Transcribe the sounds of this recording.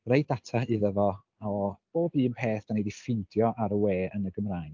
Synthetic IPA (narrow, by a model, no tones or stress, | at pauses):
rejd̥atʰaɨðəvɔ | ɔb̥oːbiːənpʰeːθd̥anidifɪndjɔʔaɾəweːənəɡəmraːjn